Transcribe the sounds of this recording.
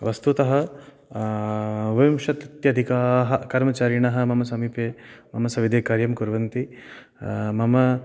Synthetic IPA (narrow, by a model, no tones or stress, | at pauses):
ʋɐst̪ut̪ɐɦɐ̆ | ʋɐmʃɐt̪ɐt̪jɐd̪ʱikaːɦɐkɐɾmɐt͡ʃaːɾiɳɐɦɐ̆mɐmɐsɐmiːpeːmɐmɐsɐʋid̪ʱeːkaːɾjɐmkuɾʋɐnt̪i | mɐmɐ